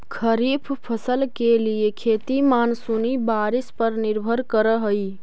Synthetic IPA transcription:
kʰəɾipʰpʰəsəlkeliekʰet̪imansunibaɾispəɾniɾbʱəɾkəɾəɦəj

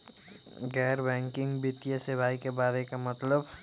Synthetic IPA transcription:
ɡɛːɾbɛ̃ːŋkɪ̃ŋɡbɪt̪ijəsebʱaːikebaːɾekamət̪ləb

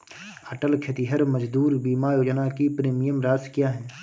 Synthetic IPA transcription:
əʈəlkʰet̪iɦəɾməd͡ʒd̪uːɾbiːmajoːd͡ʒnakipɾeːmijəmɾaːskjaːɦɛː

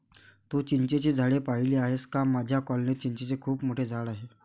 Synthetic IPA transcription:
t̪ut͡ɕiɲt͡ɕet͡ɕiːd͡zʱaɭepaɦiliaɦeskamad͡ʑʱjakɔlnet̪̚t͡ɕiɲt͡ɕet͡ɕekʰuːpmoʈʰed͡zʱaɭaɦe

